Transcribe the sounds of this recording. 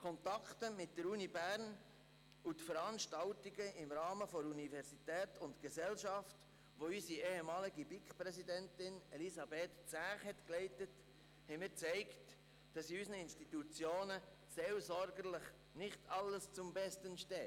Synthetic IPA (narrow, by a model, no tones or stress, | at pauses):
kʰɔntɑktəmɪt̚d̥əɾuːnibæːɾn | utfəɾɑnʃtɑltiɡəɪmɾɑːməfɔɾunivɛɾsitɛːtʊntɡ̥əsɛlʃɑft | ʋoysieːhemɑːliɡibikχpɾɛsidɛntɪnɛlisɑbeːtt͡sæːχhɛtklɛɪtət | hɛɪmɪːɾt͡sɛɪkt | d̥ɑsysnəɪnʃtitut͡sjoːnə | selsɔɾɡəɾlɪχ | nɪχtʰɑlːəst͡sʊmbɛstənʃtɛː